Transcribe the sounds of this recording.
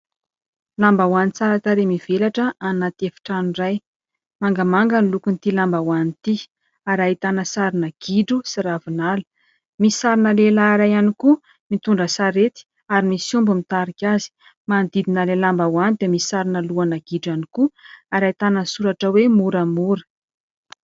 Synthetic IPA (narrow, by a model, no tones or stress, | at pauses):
lambawanit͡saɾaʈ͡ʂaɾemiv̥elaʈ͡ʂəanat̪efi̥ʈ͡ʂaniraj | maŋɡamaŋɡanlukunt̪ilambawanit̪i | aɾait̪anəsaɾinəɡ̥iɖ͡ʐusiɾavinalə̥ | misi̥saɾinəlelaːɾajaniku | mit̪uɳɖ͡ʐəsaɾet̪i̥ | aɾimisumbumit̪aɾikʲazi̥ | mand̪id̪inalelambawanid̪eemisi̥saɾinəluanaɡ̥iɖ͡ʐanikuaɾajt̪anəsuɾaʈ͡ʂəwemuɾəmuɾə̥